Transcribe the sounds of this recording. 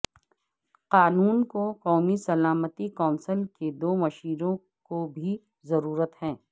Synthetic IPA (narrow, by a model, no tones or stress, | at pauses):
qaːnuːnkoqɔːmisɐlaːmət̪ikɔːnsəlked̪oːmɐʃiːɾõ | kobʱi | zɐɾuːɾət̪hɛ̃ː